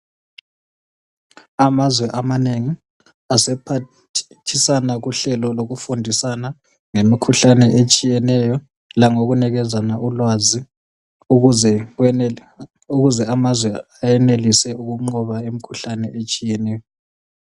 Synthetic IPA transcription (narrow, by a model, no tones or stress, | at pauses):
amazwɛʔamaneŋi | asɛpʰa | tʰisanaɣuɬɛlɔloɣufundʱisana | ŋemikʰuɬanɛʔet͡ʃʼijɛnɛjɔ | laŋoɣunɛɣɛzanaʔulwazi | ɛ | uɣuzɛamazwɛajɛnelisɛuɣuŋ͡ǃɔβaemikʰuɬanɛʔet͡ʃʼijɛnɛːjɔ